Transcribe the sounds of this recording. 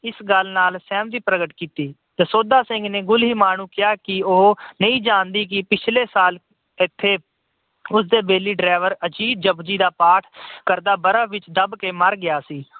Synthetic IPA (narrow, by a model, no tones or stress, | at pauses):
ɪsɡəlnaːlsɛːmd̪iːpɾəɡəʈkiːt̪iː | t̪eːsoːd̪aːsɪ̃ŋɡneːɡʊlɦiːmaːnũːkɪjaːkɪoɦnəĩːd͡ʒãːnd̪iːk̬ɪpɪt͡ʃʰleːsaːl | ɪt̪ʰːeː | ʊs̬d̪eːbeːliːɖɾɛːʋəɾəd͡ʒiːd̪̚d͡ʒəbd͡ʒiːd̪aːpaːʈʰkəɾd̪aːbəɾaːʋɪt͡ʃd̪əbkeːməɾɡɪjaːsiː